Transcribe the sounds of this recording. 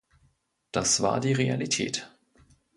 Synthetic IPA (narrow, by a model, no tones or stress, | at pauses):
d̥asv̥a̰ːɐdiːʁea̰litʰɛ̰ːt